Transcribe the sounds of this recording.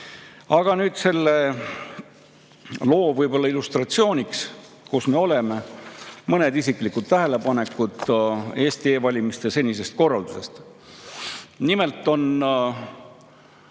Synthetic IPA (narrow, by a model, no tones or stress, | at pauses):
ɑɡ̥ɑnyːd̪̥se̞lːe | lo̞ːvɤjbo̞lːɑilust̪rɑt̪sio̞ːnʲiks | kusme̞o̞le̞me̞mɤne̞d̪isiklikːud̪̥̚t̪æɦele̞pɑne̞kːˑud̪̥e̞ːst̪ie̞ːvɑlʲimist̪ese̞nʲise̞st̪̚ko̞rːɑld̪use̞st̪ | nime̞lt̪ːˑo̞n